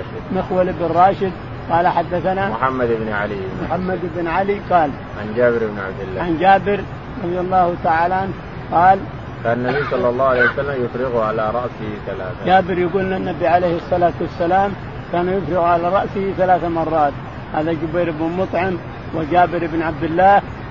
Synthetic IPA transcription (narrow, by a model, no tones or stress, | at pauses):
ʃɪd̪mɪxwalɪbrˤɑːʃɪd̪ | qɑːlaħad̪ːaθanamħamːad̪ɪbnʕalimʊħamːad̪ɪbnʕaliqɑːl | ʕand͡ʒaːbɪɾɪbnʕa̰bd̪ɪlːaʕand͡ʒaːbɪɾ | ɾˤɑðˤjɑlˤːɑːht̪aʕaːlaʕan | qɑːl | kaːnanːabiːsˤɑlːɑlˤːɑːhʕalejwasalːamjʊfɾɪɣʊʕalaɾˤɑʔsɪhiθalaːθad͡ʒaːbɪɾjaɡuːlnanːabiʕalejhɨsˤːɑlaːt̪wasːalaːm | kaːnajʊfɾɪɣʕalaɾˤɑʔsɪhiθalaːθamɑrˤːɑːt̪ | haːðad͡ʒʊbajɾɪbnmʊt̪ˤʕɪm | wɪd͡ʒaːbɪɾɪbnʕab̚d̪ɪlːaːh